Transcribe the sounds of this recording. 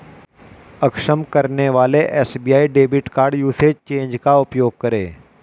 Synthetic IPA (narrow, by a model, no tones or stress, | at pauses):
əkʃəmkəɾneʋaːleʔɛːsbiːjaːiɖeːbɪʈkaːɾɖjuːset͡ʃẽːɲd͡ʒkaʊpjoːɡ̚kəɾḛː